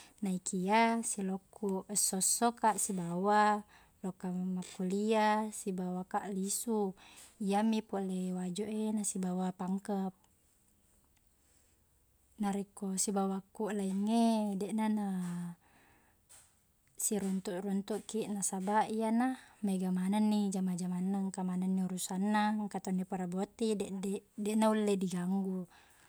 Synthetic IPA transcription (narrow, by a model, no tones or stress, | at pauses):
naikʰiasilokːuʔsːosːokaʔsibawa | lokamakːuliasibawakaʔlisuijamipolewad͡ʒoʔenasibawapaŋkəp̚ | naɾikosibawakːuʔlaiŋːedɛʔnana | siɾunt̪uʔrunt̪uʔkiʔnasabaʔijanameɡamananːid͡ʒamad͡ʒamanːaŋkamananːiuɾusanːaŋkat̪onipaɾabot̪idɛʔdedɛʔnaulːediɡaŋɡu